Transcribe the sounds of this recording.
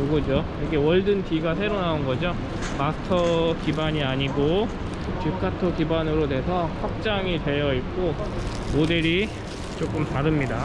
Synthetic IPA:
oɡʌd͡ʑo | ʌɡewʌɭdɯntiɡasʰe̞ɾonaunɡʌd͡ʑo | masʰɯ̥tʰʌkibaɲiaɲiɡo | t͡ɕikʰatʰʌkibanɯɾone̞sʰʌɸak̚t͡ɕ͈aŋite̞jʌik̚k͈o | modeɾi | t͡ɕ͈ok͈ɯmtaɾɯmɲida

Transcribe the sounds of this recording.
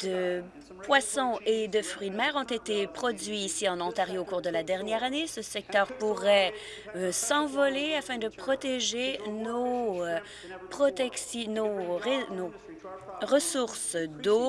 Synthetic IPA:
d̪̥ə | pwasɔ̃ed̪əfʁɥid̪mɛːʁɔ̃t̪et̪epχɔd̪ɥiːsiɑ̃nɔ̃t̪aʁjoːkuːʁd̪əlad̪ɛʁnjɛːʁanesəsɛk̚t̪œːʁpuʁɛ | sɑ̃vɔleafɛ̃d̪əpχɔt̪eʒeno | pχɔt̪ɛksinoʁeno | ʁəsuʁsd̪o

